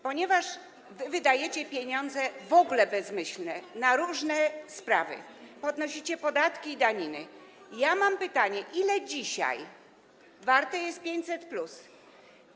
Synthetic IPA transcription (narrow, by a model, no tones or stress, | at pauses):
pɔɲɛvaʂ | vɘvɘd̪ajet͡ɕɛpʲjeɲɔnd̪zɛvɔɡulɛbɛzmɘɕlnɛnaɾuʐnɛspɾavɘ̰ | pɔd̪nɔɕit͡ɕɛpɔd̪at̪kʲiːd̪aɲinɘ | jamampɘt̪aɲɛʔilɛd͡ʑiɕa̰j | vaɾt̪ɛjɛst̪̚pʲjeɲt͡ɕʲsɛt̪plus